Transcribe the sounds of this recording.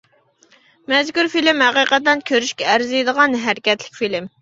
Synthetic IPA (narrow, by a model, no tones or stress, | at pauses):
mɛzkʲuɾfilɪmhæqiqət̪ːɛnkʲʰøɾyʃkʲɛːɾzijd̪əʁɑnɦæɾɪkʲɛt̪lɪ̥kʲfilɪm